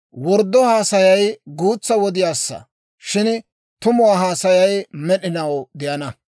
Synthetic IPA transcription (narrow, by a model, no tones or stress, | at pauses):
wɔɾd̪ːɔhaːsɐjɐjɡuːt͡sːɐwɔd̪ɪjaːsːɐ̰ | ʃɪn | t̪ʊmʊwaːɦaːsɐjɐjmɛɗɪnɐwd̪ɪjɐnɐ